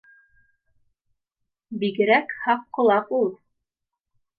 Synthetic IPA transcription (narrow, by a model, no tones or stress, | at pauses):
biɡɘ̆ɾækhɑqqːŏlˠɑpulˠ